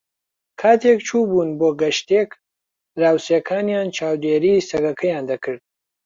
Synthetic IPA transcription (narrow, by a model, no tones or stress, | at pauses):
kʰaːt̪ʰek̚t͡ʃʰuːbuːnboːɡɐʃt̪ek | ɾaːwsekʰaːnjaːnt͡ʃʰaːwd̪eːɾiːsɐɡɐkʰɐjaːnd̪ɐkʰɨɾd̪̚